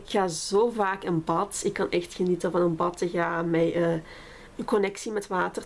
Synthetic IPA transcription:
kxaːzoːvaːkənbɑtɪkːɑnʔɛxtxənitəvɑnənbɑtəxaːmɛjə | ənkɔnɛksimɛtʋaːtər

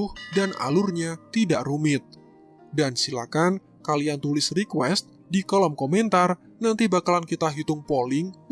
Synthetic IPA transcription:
ʊhdana̰lʊrɲat̪idaʔrumɪt̪̚ | dansilakan | kaliant̪ulɪsrikwɛst̪̚ | dikɔlɔmkomɛnt̪ar | nant̪ibakalankit̪aɦit̪ʊŋpolɪŋ

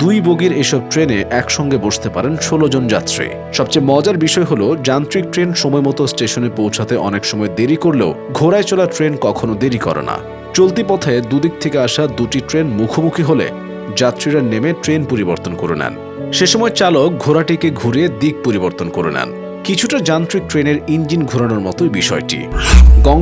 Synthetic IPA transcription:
d̪ujboɡiɾeʃɔb̚ʈɾeneʔɛkʃɔŋɡeboʃt̪epaɾenʃolod͡ʑond͡ʑa̰t̪ːɾḭ | ʃɔb̚t͡ɕemɔd͡ʑaɾbiʃɔeɦolod͡ʑant̪ɾik̚ʈɾenʃɔmɔemɔt̪osʈeʃonepowt͡ɕʰat̪eʔɔnekʃɔmɔed̪eɾikoɾleo | ɡʱoɾaet͡ɕolaɾʈɾenkɔkʰonod̪eɾikɔ̰ɾa̰na̰ | t͡ɕolt̪̬ipɔt̪ʰaed̪ud̪ik̚t̪ʰekeaʃad̪uʈiʈɾenmukʰomukʰiɦolḛ | d͡ʑat̪ːɾiɾanemeʈɾenpoɾiboɾt̪onkoɾonɛ̰n | ʃeʃɔmɔet͡ɕalok̚ɡʱoɾaʈikeɡʱuɾied̪ik̚poɾiboɾt̪onkoɾonɛ̰n | kit͡ɕʰuʈad͡ʑant̪ɾik̚ʈɾeneɾind͡ʑinɡʱuɾanoɾmɔt̪obiʃɔeʈḭɡɔ

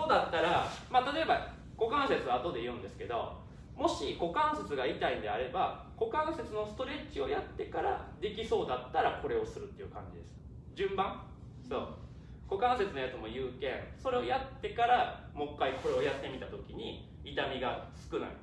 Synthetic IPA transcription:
soːd̪at̪ːaɾamat̪at̪o̞eba | ɡ̥o̞kãɰ̃set͡sɨaːt̪o̞d̪e̞jɯ̟̃nd̪e̞sɨ̥ke̞d̪o̞̰ | mo̞ɕiɡo̞kãɰ̃se̞t͡sɨɡait̪aind̪e̞aɾe̞ba | ɡ̥o̞kãɰ̃set͡sɨno̞sɨ̥t̪o̞ɾe̞t͡ɕio̞jat̪ːe̞kaɾa̰d̪e̞kʲiso̞ːd̪at̪ːaɾakʰo̞ɾe̞o̞sɨɾɯ̟t̪ːe̞jɯ̟kã̰ɲ̟d͡ʑid̪e̞sɨ̥ | d͡ʑɨ̃mbãŋ | so̞ː | ɡ̥o̞kãɰ̃se̞t͡sɨno̞jat͡sɨmo̞jɯːkẽ̞ɴso̞ɾe̞ojat̪ːe̞kaɾa | mo̞kːaikʰo̞ɾe̞o̞jat̪ːe̞mʲit̪at̪o̞kʲiɲ̟i | it̪amʲiɡasɨ̥kɯ̟na̰ḭ

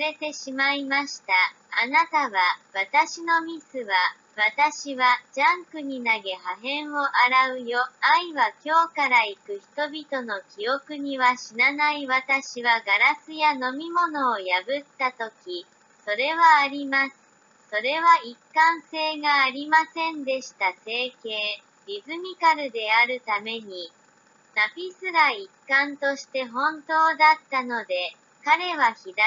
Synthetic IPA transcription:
ɾe̞t̪e̞ɕimaimaɕi̥t̪aː | nat̪aβaβat̪aɕino̞mʲisɨβa | βat̪aɕiβ̞ad͡ʑãŋkɯ̟ɲ̟inaɡe̞haɦẽ̞ɰ̃o̞ʔaɾaɯ̟jo̞aiβakʲo̞ːkaɾaikɯ̟çi̥t̪o̞bʲit̪o̞no̞kʲio̞kɯ̟ɲ̟iβaɕinanaiβat̪aɕiβaɡaɾasɨjano̞mʲimo̞no̞ːjabɯ̟t̪ːat̪o̞kʲi | so̞ɾe̞βaːɾʲimasɨ̥ | so̞ɾe̞βaikːãɰ̃se̞ːɡaːɾʲimasẽ̞nd̪e̞ɕi̥t̪ase̞ːke̞ː | ɾʲizɨmʲikaɾɯ̟d̪e̞aɾɯ̟t̪ame̞ɲ̟i | napʲisɨɾaikːãnt̪o̞ɕi̥t̪e̞ɦõ̞nt̪o̞ːd̪at̪ːano̞d̪e̞ | kaɾe̞βaçid̪a

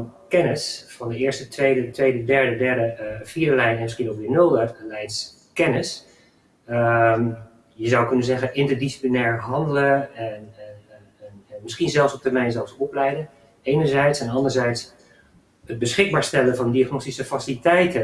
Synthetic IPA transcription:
nkɛnɪsfɑndəɪːɹstətʋejdətʋejdədɛɹdədɛɹdəfiːɹdəlɛjnɛnmɪsχinokʋɪnølˠdəlɛjns | kɛnɪs | m | jəzawkɵnənzɛɣənʔɪntəɹdisi̥plinɛːɹɦɑndələɛn | mɪsχinzɛlˠfsɔp̚tərmɛjnzɛlˠfsɔplɛjdən | ejnəɹzɛjtsɛnɑndəɹzɛjts | əd̚bəsχɪɡ̚baːɹstɛləvɑndiaχnostisəfasilitɛjtə

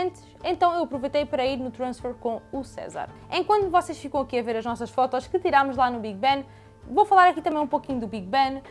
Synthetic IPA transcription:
nt̪ɨ̥ʃẽnt̪ɐ̃w̃ewɐpɾuvɐjt̪ɐjpɐɾɐiɾnut̪ɾɐ̃ʃfɛɾkõusɛ̰za̰ɾẽkwɐ̃nt̪uvɔseʃfikɐ̃w̃ɐkiɐveɾɐʒnɔsɐʃfɔt̪ɔʃkɨt̪iɾamuʒlˠanuβiɣbɐn | vowfɐlˠaɾɐkit̪ɐmɐ̃j̃ũpokiɲud̪ubiɣbɐn

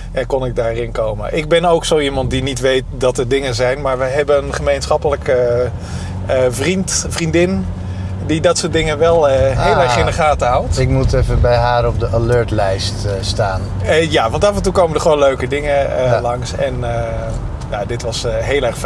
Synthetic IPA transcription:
ʔɛnkɔnɪɡ̚daːrɪnkowmə̰ʔɪɡ̚bɛnowksowimɑntdinitʋejt̚dɑtəɹdɪŋənzɛjnmaːɹʋəɦɛbənənχəmejnsχɑpələkə | vrintfrindɪn | didɑtsodɪŋəʋɛlˠɦellɛɹχɪ̃dəχaːtəɦɑwlˠtɪkmutɛfəbɛjɦaːɾɔb̚dəʔaløːɹtlɛjststaːn | jaʋɑntɑfəntukowməndəχəʋoːnløɥkədɪŋəəlɑŋsɛnə | jadɪtʋɑsɦeːlˠɛrxf

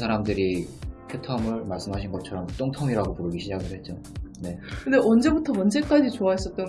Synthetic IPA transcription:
sʰaɾamdɯɾikʰjotʰʌmɯɭmaɭs͈ɯmɦaɕʰinɡʌt͡ɕʰʌɾʌmut͈oŋtʰʌŋiɾaɡopuɾɯɡiɕʰid͡ʑaɡɯɭhe̞t̚t͡ɕ͈o | ne̞kɯndeʔʌnd͡ʑe̞butʰʌmʌnd͡ʑe̞k͈ad͡ʑit͡ɕoais͈ʌt̚t͈ʌ

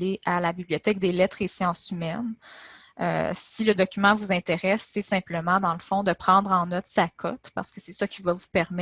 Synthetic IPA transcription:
eʔalabibliɔt̪ɛk̚d̪elɛt̪χesjɑ̃symɛn | ø̰siləd̪ɔkʲymɑ̃vuzɛ̃t̪eʁɛsːɛsɛ̃pləmɑ̃d̪ɑ̃ləfɔ̃d̪əpχɑ̃d̪ʁɑ̃nɔt̪sakʰɔ̰t̪pa̰ʁ̥sə̥kəsɛsakʲivavupɛʁm

